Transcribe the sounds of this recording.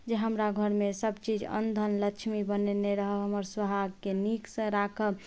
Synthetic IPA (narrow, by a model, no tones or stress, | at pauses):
d͡ʒeɦəmɾaɡʱəɾmesəbt͡ʃid͡ʒə̰nd̪ʱənləkt͡ʃʰmibəneneɾəɦəɦəməɾsəbʱaɡkeniksə̃ɾakʰə